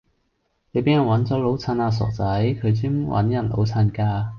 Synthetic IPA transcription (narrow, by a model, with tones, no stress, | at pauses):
ne˨˧jpeː˨˥njɐ˨˩nwɐ˨˧˥nt͡sɔː˨˥lo˨˥wt͡sʰaː˧naː˧s̬ɔ̰ː˨˩k̚t͡sɐ˨˥jkʰɵ˨˧ɥt͡siː˥mwʔɐ̰˨˥njɐ˨˩nlo̰˨˥wt͡sʰa˧nkaː˧